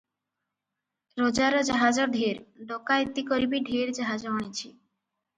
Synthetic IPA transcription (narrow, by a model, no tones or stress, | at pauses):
ɾod͡ʒaɾɔd͡ʒaɦad͡ʒɔɖʱeɾɖɔkajt̪ikɔɾibiɖʱeɾd͡ʒaɦad͡ʒɔːɽ̃it͡ʃʰi